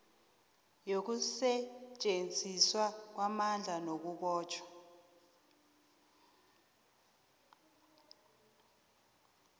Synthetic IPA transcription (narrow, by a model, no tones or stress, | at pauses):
jok̬usɛt͡ʃʼend͡zʱiswak̬wamand͡ɮʱanok̬uɓɔːt͡ʃʰʼwḁ